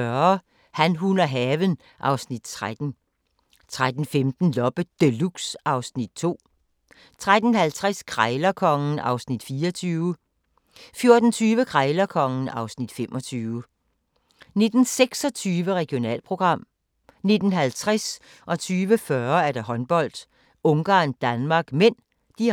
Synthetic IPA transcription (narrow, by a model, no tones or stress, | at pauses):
ɶɐ | hænɦunɐɦɛʋən | ʔɑ̈ʊsnid̥t͡sʰʁad̥n̩ | t͡sʰʁad̥n̩femd̥n̩lɒ̽b̥əd̥eluɡ̥sɑ̈ʊsnid̥̚t͡sʰo̝̰ː | t͡sʰʁad̥n̩hælt͡sʰʁaskʰʁaɪlɐkʰɒ̽ŋn̩ɑ̈ʊsnid̥fiːɒt͡sʰyːʊə | fjo̝ɐd̥n̩t͡sʰyːʋəkʰʁaɪlɐkʰɒ̽ŋn̩ɑ̈ʊsnid̥femʔɒt͡sʰyːʋə | ne̝d̥n̩seɡ̥sɒ̽t͡sʰyːʋəʁɛɡ̥jo̝nɛ̰ːlpʰʁo̝ɡ̥ʁɑ̈m̰ | ne̝d̥n̩ɦælt͡sʰʁɛs | ʔɒ̽t͡sʰyːʋəfɶɐæɐɾ̥ɑ̈ɦɒ̽nb̥ɒ̽l̰d̥ | ɔ̽ŋɡ̥ɑ̰̈ːnd̥ænmɑ̈ːɡ̥men̰ | d̥i